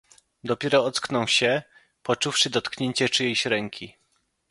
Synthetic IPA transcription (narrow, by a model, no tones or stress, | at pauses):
d̪ɔpʲjɛɾɔɔt̪sknɔwɕɛ | pɔt͡ʂufʂɘd̪ɔt̪kɲeɲt͡ɕɛt͡ʂɘjejɕɾɛŋkʲʰi